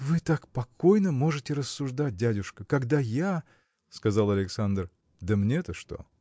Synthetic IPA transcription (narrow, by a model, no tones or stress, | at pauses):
vɨt̪akpɐko̞jnəmo̞ʐɨtʲɪɾəsːʊʐd̪at̚ʲdʲædʲʊʂkəkɐɡd̪aja | skɐzalˠɐlʲɪksand̪r | d̪əmnʲet̪əʂt̪o̞̰